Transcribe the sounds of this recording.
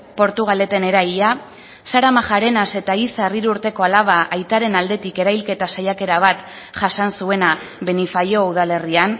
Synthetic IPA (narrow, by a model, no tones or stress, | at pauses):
po̞ɾt̪uɣ̞ale̞t̪e̞ne̞ɾaja | saɾamaʝaɾe̞nase̞t̪aisaeriɾuɾt̪e̞ko̞alaβ̞aʔajt̪aɾe̞nald̪e̞t̪ike̞ɾajlke̞t̪asajake̞ɾaβ̞at̪ | ʝasansue̞na | βe̞nifajo̞uð̞ale̞rian